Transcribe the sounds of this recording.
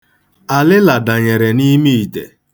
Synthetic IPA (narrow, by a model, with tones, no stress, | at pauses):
a˨lɪ˦la˨da˨ɲe˨ɾe˨ni˦mi˦i˨tḛ˨